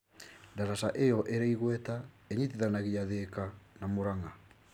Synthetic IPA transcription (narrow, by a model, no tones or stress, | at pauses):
ndaɾasaʔejɔʔeɾaiɣwɛta | eɲitiðanaɣijaðeːkanamoɾaŋa